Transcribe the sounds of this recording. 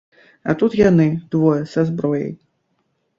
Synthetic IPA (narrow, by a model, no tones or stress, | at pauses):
a̰t̪ut̪janɨd̪̥vɔjɛsazbɾɔjɐ̰j